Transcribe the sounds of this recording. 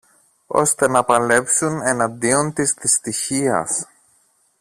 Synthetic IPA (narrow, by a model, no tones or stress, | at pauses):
o̞̰st̪e̞nɐpɐle̞psune̞nɐnd̪io̞nt̪isðist̪içiɐ̰s